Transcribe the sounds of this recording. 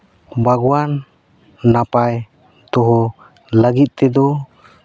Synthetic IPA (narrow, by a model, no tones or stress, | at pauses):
baɡwanː | apaj | t̪ɔɦɔ | ləɡit̪̚ˀt̪ɛd̪ɔ